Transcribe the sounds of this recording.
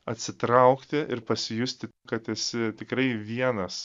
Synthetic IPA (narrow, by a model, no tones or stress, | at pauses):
ɐt̪ʲsʲɪt̪ɾɐʊkt̪ʲɪʔɪɾpɐsʲɪjʊsʲt̪ʲɪkɐt̪ʲɛsʲɪt̪ʲɪkɾɐɪʋʲiɛnɐs